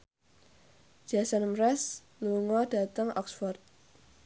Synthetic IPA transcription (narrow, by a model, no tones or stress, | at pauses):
d͡ʒ̥asanmɾɛs | luŋɔda̤t̪əŋɔ̰ksfɔrt̪̚